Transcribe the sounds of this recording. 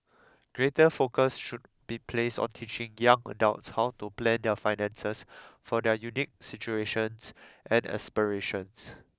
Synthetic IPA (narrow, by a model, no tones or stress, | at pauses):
ɡ̥ɹetəfokəsʃud̚b̥ipʰlestɔ̰̃ntʰit͡ʃɪ̃ŋjãŋə̰daʊtshawtuplɛ̃ndɛfajnɛ̃nsəsfɔdɛjunik̚sit͡ʃueʃə̃nsʔɛ̃nɛ̰spəɹeʃə̃ns